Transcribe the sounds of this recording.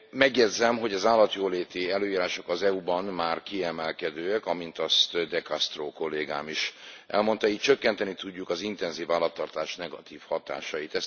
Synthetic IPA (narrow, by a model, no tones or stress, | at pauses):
mɛɡjɛd̪zɛmɦo̞ɟɒzaːlːɒt̪joːleːt̪iɛløːiːɾaːʃo̞kɒzɛubɒnmaːrkiɛmɛlkɛd̪øːɛkɒmint̪ɒst̪d̪ɛkɒst̪roːko̞lːeːɡa̰ːmiʃʔɛ̰lmo̞nt̪ɒiːc̚t͡ʃø̞kːɛnt̪ɛnit̪uɟːukɒzint̪ɛnziːvaːlːɒt̪ːɒrt̪aːʃnɛɡɒt̪iːfhɒt̪a̰ːʃɒjit̪ɛs